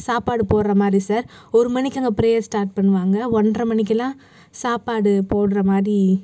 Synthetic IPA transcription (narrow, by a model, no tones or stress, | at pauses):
saːpaːɽɯpoːɽɾɐmaːd̪ɾisaːɾɔɾɯmɐnɪkʲːɐŋɡɐpɪɾejɐɾsʈaːɾʈ̚pɐɳːɯʋaːŋɡɐɔnɖrɐmɐɳɪk̬ːɐlãː | saːpaːɽɯpoːɽɯɾɐmaːd̪ɾi